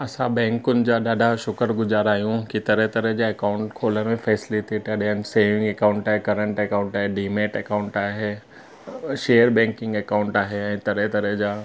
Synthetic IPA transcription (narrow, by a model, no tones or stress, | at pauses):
ɐsãbɛ̃ːŋkʊnɪ̆d͡ʑaːɗaːɖʱaʃʊkəɾɡʊzaːɾaːɦijũkit̪ɐɾet̪ɐɾəd͡ʑaɐkaːʊ̃ɳʈkʰoːləɾmẽfʰɛːslit̪ʰiʈ̪ɐɗənɪ̆seːmɪ̃ŋɡekãːʊ̃ɳʈaːɦekɐɾə̃ɳʈɛkãʊ̃ɳʈaːɦeɖiːmeːʈɐkãʊ̃ɳʈaːɦeː | ʃeːəɾbɛ̃ːŋkɪ̃ŋɡɐkaːʊ̃ɳʈaːɦeɛ̃ːt̪ɐɾet̪ɐɾəd͡ʑaː